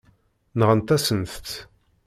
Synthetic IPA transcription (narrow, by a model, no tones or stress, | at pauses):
nəʁənt̪æsənθt͡s̪